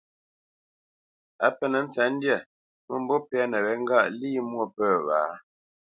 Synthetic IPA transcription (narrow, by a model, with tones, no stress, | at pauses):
a˦pɛ˦nə˨˦n̩˦t͡sɛ˨˦n̩˦djɛ˦˨ | mə˦˨m̩˨˦bɔ˦pɛ˦ɛ˦nə˨wɛ˨˦ŋ̩˦ɡa˦ʔliː˦mwo˦˨pəː˦˨βaː˨˦